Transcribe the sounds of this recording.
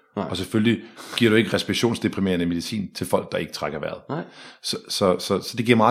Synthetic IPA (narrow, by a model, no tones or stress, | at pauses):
ɒ̽sefølliɡ̥iɐ̰ɾ̥ue̝ɡ̥əʁɛsb̥i̥ɕo̝̰ːnsd̥e̝pʰʁime̝ːɐnəime̝ð̞ˠisḭːnt͡sʰe̝lfɒ̽l̰ɡ̥̚d̥ɑ̈e̝ɡ̥ə̥t͡sʰʁaɡ̥ɐʋæɐð̩ˠsɒsɒ̽sɒ̽sɒ̽d̥eɡiɐ̰mɑ̈